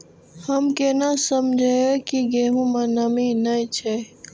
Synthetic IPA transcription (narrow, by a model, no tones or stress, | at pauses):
həmkenasəmd͡ʒʱekiɡeːɦũmãnəminəĩt͡ʃʰe